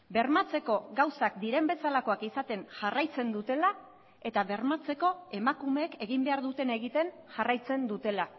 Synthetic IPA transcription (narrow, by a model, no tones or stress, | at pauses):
be̞ɾmat͡se̞ko̞ɣawsakd̪iɾe̞mbe̞salako̞akisat̪e̞nʝarajt͡se̞nd̪ut̪e̞la | e̞t̪aβe̞ɾmat͡se̞ko̞e̞makume̞ːke̞ɣimbe̞aɾðut̪e̞ne̞ɣit̪e̞n | ʝarajt͡se̞nd̪ut̪e̞la